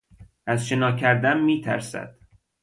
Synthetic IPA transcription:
ʔæzʃe̞nɒːcʰæɾd̪ænmiːt̪ʰæ̰ɾsæ̰d̪̥

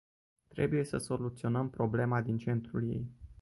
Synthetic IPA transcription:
t̪ɾe̞̰buje̞səso̞lut̪sio̞nəmpɾo̞ble̞mad̪int͡ʃe̞nt̪ɾulje̞̰j

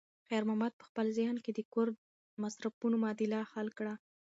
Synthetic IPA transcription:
xajɑɾmamɑd̪̚pə̥xpəlzjɑnked̪əkʊɾ | masɾapunomɑd̪ɪlɑxalkɽa

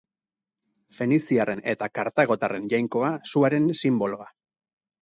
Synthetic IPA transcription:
fe̞nisiare̞ne̞t̪akaɾt̪aɣ̞o̞t̪are̞nʝajŋko̞asuaɾe̞nsimbo̞lo̞a

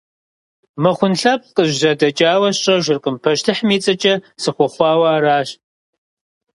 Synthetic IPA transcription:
mɨχʷʊnɬɐp̚qʼəʑʒɐdɐt͡ʃʼaːwɐɕɕʼɐʒɪrqʼəmpʰɐʃtʰɨħmiːt͡sʼɐt͡ʃʼɐsɨχʷɔχʷɑːwaːɾaːɕ

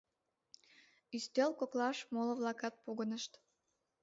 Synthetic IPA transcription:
yst̪ølkoklɑʃmolə̆βlɑkɑt̪̚puɣənəʃt̪

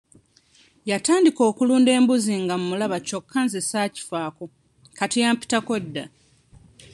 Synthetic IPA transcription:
jataːndiko̞ːkuluːnde̞ːmbuziŋɡamumulaβaco̞kːanzesaːci̥faːko | katijaːmpi̥takedːa

